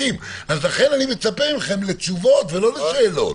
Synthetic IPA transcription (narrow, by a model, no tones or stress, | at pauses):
imazlaχe̞nanime̞t͡sapeʁimχe̞mlet͡suvo̞tvelo̞lesaelo̞̰t